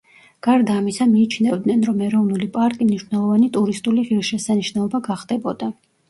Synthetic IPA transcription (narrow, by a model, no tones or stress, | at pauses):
ɡ̥aɾd̪aːmisamiːt͡ʃʰnɛvd̪nɛnɾɔmɛɾɔvnulipʼaɾkʼimniʃwnɛlˠɔvanit̪ʼuɾist̪ʼuliʁiɾʃɛsaniʃnɛlˠɔbaɡaχd̪ɛbɔd̪a